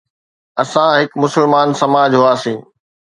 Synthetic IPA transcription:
ɐsãɦɪkmʊsɪlmaːnsɐmaːd͡ʑɦʊaːsĩː

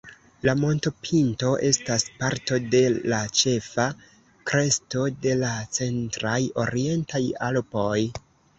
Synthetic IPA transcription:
lamo̞nto̞pʰinto̞ʔe̞staspaɾto̞de̞lat͡ʃe̞fa | kɾe̞sto̞de̞lat͡se̞ntɾajo̞ɾie̞ntajalpo̞j

